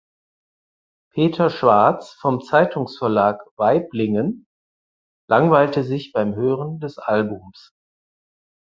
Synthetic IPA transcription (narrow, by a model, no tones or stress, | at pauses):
pʰeːtʰɐʃv̥aɐt͡sfɔmt͡saɪtʰʊŋsfɛɐlaːkv̥aɪplɪŋən | lʔaŋvaɪltəzɪçb̥aɪmɦøːʁəndɛsʔalbʊms